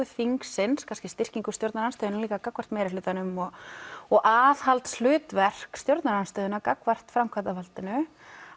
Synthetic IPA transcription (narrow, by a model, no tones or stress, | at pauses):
ʏθiŋksɪnskʰanscɪst̪ɪr̥ciŋkʏst̪jowɾt̪naɾanst̪œðʏnaliːkakakvar̥t̪mɛːɾɪlʏːt̪anʏmɔɣɔɣʔaːðhalt̪sl̥ʏːt̪vɛr̥kst̪jowɾt̪naɾanst̪œːðʏnakakvar̥t̪fɾamkʰat̪afalt̪ɪnʏ